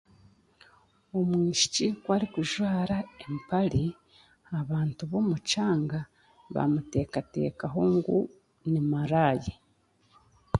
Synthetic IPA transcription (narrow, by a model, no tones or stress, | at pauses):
o̞mwiːʃi̥cikwaɾikuʒwaːɾaempali | aβaːntuβo̞mut͡ʃaːŋɡa | βa̰mute̞ːkate̞̰ːkaɦo̞ŋɡu | nimaɾaːji